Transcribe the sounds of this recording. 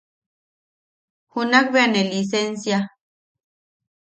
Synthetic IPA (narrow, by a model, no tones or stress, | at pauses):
hunakβeanelis̬ensja